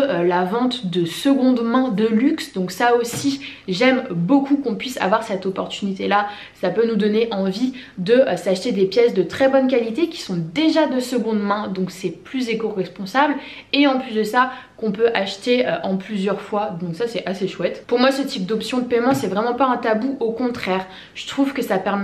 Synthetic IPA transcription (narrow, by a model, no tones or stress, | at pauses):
ølavɑ̃t̪d̪əsəɡɔ̃d̪mɛ̃d̪əlyksd̪ɔ̃ksaosi | ʒɛmbokukɔ̃pɥisa̰vwaʁsɛt̪ɔpɔʁt̪ynit̪ela | sapønud̪ɔneʔɑ̃vi | d̪əʔsaʃt̪ed̪epjɛsd̪ət̪χɛbɔnk̬ʲalit̪ekʲi̥sɔ̃d̪eʒad̪əsəɡɔ̃d̪mɛ̃d̪ɔ̃ksɛplyzekoʁɛspɔ̃sabl | eɑ̃plysd̪əsa | kɔ̃pøʔaʃt̪eøʔɑ̃plyzjœʁfwad̪ɔ̃ksasɛʔaseʃwɛt̪puʁmwasət̪ip̚d̪ɔpsjɔ̃d̪əpɛmɑ̃sɛvʁɛmɑ̃paɛ̃t̪abuʔokɔ̃t̪χɛːʁ | ʒ̥ə̥t̪χuvkəsapɛʁmɛ